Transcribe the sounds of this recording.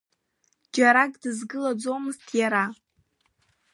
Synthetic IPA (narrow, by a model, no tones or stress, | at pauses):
d͡ʒaɾakʼdɨzɡɨlad͡zo̞mɨztʰjaɾa